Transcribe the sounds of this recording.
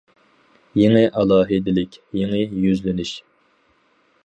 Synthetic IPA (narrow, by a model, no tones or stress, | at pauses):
jeŋɪʔɑlˠɑːɦɨd̪ɪlɪkʲjeŋɪjyzlɪnyʃ